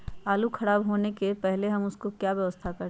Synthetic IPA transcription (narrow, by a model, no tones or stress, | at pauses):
aːlukʰɐɽaːbɦoːnekepɛɦleɦɐmʊskokjaːʋjɐʋəst̪ʰakɐɾ